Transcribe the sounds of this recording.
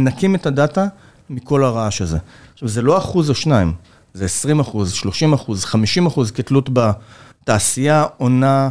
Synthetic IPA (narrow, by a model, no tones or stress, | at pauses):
nakimetadata | miko̞laʁaaʃaze̞̰χʃavzelo̞aχuzaʃnaim | zeesʁimaχuzʃlo̞ʃimaχuzχamiʃimaχuzkitlutbataːsijao̞na